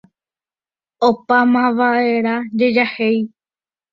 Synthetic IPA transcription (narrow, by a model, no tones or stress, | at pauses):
opamãʋae̞ɾad͡ʒed͡ʒahe̞j